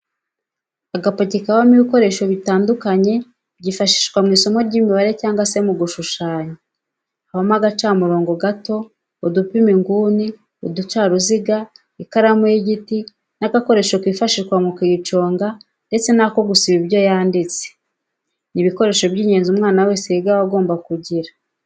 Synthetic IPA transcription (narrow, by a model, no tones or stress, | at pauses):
aɡapocikawamiβiko̞ɾe̞ːʃo̞βitaːndukaɲe̞ | b̚ɟiːfaʃi̥ʃkwamŋiːso̞mo̞ɾɟiːmiβaɾe̞caːŋɡwase̞muɡuʃuʃaːɲo | aβamaɡat͡ʃaːmuɾo̞ːŋɡo̞ɡato̞ː | dupimiŋɡuːni | odut͡ʃaːɾuziɡa | ikaɾamojiɟiti | naɡako̞ɾe̞ːʃokwiːfaʃiʃkwamukit͡ʃo̞ːŋɡa | nde̞t͡se̞nako̞ɡusiβiβjo̞jaːndit͡se̥ | niβiko̞ɾe̞ːʃo̞bɟiːɲe̞ːnzumŋaːnawe̞ːseiɡaβaɡo̞ːmbakuɟiɾa